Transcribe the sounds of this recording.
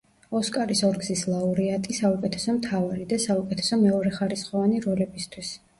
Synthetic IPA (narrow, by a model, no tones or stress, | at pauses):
ɔskʼaɾisɔɾɡzislˠauɾiat̪ʼisaukʼɛt̪ʰɛ̥sɔmt̪ʰavaɾid̪asaukʼɛt̪ʰɛ̥sɔmɛɔɾɛχaɾisχɔvaniɾɔlɛbist̪ʰwis